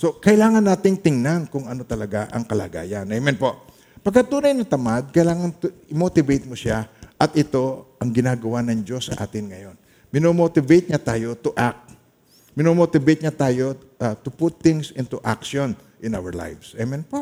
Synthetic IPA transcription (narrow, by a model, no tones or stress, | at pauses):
so̞kɐʔɪlaːŋɐnːaːt̪ɪŋt̪ɪŋnankʊŋɐno̞t̪ɐlɐɡaʔɐ̰ŋkɐla̰ːɡa̰ːjɐnʔɛjmɛnpo̞ʔ | pɐɡkːɐt̪uːnɐjnɐt̪ɐmad̪̚kɐjlaːŋɐnt̪ʊɪmot̪ɪbejt̪̚moʃaʔɐt̪ʔɪt̪o̞ʔɐŋɡɪnaːɡɐwanɐŋd͡ʒo̞sːɐ̰ʔa̰ːt̪ɪnŋɐjo̞n | mɪnomoːt̪ɪbɛjt̪̚ɲat̪aːjo̞t̪ʊʔak̚t̪̚ | mɪnomot̪ɪbɛjt̪̚ɲat̪aːjo̞ | at̪ʊpʊt̪ːɪŋsɪnt̪ʊʔa̰kʃon | ʔɪnʔawɐɹla̰jvsʔɛmɛnpoʔ